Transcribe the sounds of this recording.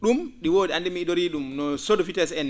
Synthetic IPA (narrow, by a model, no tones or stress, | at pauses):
ɗumɗiwoːɗiandɛmiɗoɾiːɗumnɔsodɔfitɛsɛn